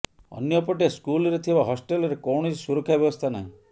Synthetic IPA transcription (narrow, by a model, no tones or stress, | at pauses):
ɔ̰njɔpɔʈeskulɔɾet̪ʰibaɦɔsʈelɔɾekɔwɳ̃ɔssuɾokʰabjeɔst̪ʰana̰ɦĩ